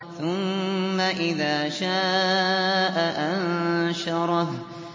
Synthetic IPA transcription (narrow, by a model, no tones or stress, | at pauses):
θʊmːaʔɪðaːʃaː | ʔaʔanʃɑɾˤɑh